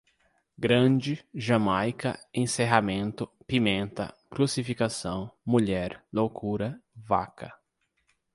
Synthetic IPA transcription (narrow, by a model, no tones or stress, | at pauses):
ɡɾɐ̃d͡ʒɪʒamajkɐ̰ẽseɦamẽnt̪ʊ | pimẽnt̪ɐ̰ | kɾusifikasɐ̃w̃muʎɛɾlokuɾɐva̰kʰɐ